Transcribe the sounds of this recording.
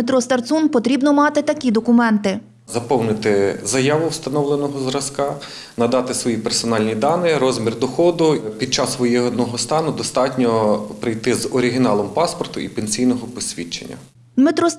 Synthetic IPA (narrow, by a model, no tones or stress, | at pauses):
et̪ɾɔst̪ɐrt̪sunpɔt̪ɾʲibnɔmɑt̪ɪt̪ɐkʲid̪ɔkʊmɛnt̪ɪ | zɐpɔwnɪt̪ɪzɐjɑʋʊwst̪ɐnɔwlˠenɔɦɔzɾɐskɑ | nɐd̪ɑt̪ɪsʋɔjipersɔnɑlʲnʲid̪ɑnɪɾɔzmʲird̪ɔxɔd̪ʊpʲid̪̚t͡ʃɑsːʋɔjɛɦnɔɦɔst̪ɑnʊd̪ɔst̪ɑtʲnʲɔpɾɪjt̪ɪzɔɾʲɪɦʲɪnɑlˠɔmpɑspɔrt̪ʊʔipenʲsʲijnɔɦɔpɔsʲʋʲit͡ʃḛnʲːɐ̰ | met̪ɾɔ